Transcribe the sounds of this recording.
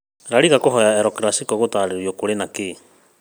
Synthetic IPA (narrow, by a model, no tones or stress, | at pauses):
ɾaɾiɣakɔɦɔjaɛɾɔkɾasikɔɣotaɾeɾjokoɾenake